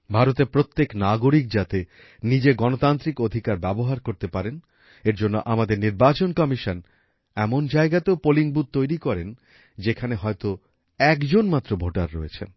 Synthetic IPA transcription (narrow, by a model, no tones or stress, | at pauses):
bʱaɾot̪eɾpɾot̪ːeknaɡoɾik̚d͡ʑat̪e | nid͡ʑeɡɔnot̪ant̪ɾikod̪ʱikaɾbɛboɦaɾkoɾt̪epaɾen | eɾd͡ʑonːo̰ʔamad̪eɾniɾbat͡ɕonkɔmiʃon | ɛmond͡ʑaeɡat̪eopoliŋbud̪̚t̪ːojɾikɔɾen | d͡ʑekʰaneɦɔet̪o | ɛkd͡ʑonmat̪ːɾobʱoʈaɾːoet͡ɕʰḛn